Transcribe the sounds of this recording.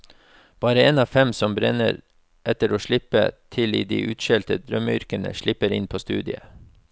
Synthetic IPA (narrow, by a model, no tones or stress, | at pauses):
b̥ɑːɾəeːnɑːʋfɛmsɔmbɾɛnə̰ɾ | ʔɛt̪əɾoːʃɭɪpət̪ʰɪliːd̪iːʔʉːt̪ʃɛlt̪əd̪ɾœməʏɾkənə̰ʃɭɪpəɾɪnpʰoːst̪ʉ̰ːd̪ɪə